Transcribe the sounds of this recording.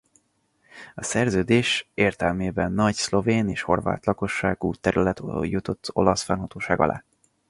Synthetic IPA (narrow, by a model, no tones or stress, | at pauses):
ɒsɛrzøːd̪eːʃeːrt̪ɛlmeːbɛnːɒɟslo̞veːneːʃho̞̰rva̰ːt̪lɒko̞ʃːaːɡuːt̪ːɛɾylɛt̪jut̪o̞t̪ːo̞lɒsfɛnɦɒt̪oːʃaːɡɒ̰lʔa̰ː